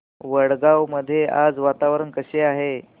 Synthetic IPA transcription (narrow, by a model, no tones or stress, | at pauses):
ʋəɽɡawməd̪ʱːjeʔad͡zʋat̪aʋɾənkəɕeaɦe